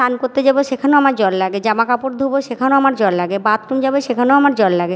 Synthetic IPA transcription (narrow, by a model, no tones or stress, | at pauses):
ankoɾt̪ed͡ʑabeʃekʰaneoamaɾd͡ʑɔllaɡed͡ʑamakapoɾd̪ʱoboʃekʰanoamaɾd͡ʑɔllaɡebat̪ːɾumd͡ʑabeʃekʰaneoamaɾd͡ʑɔllaɡe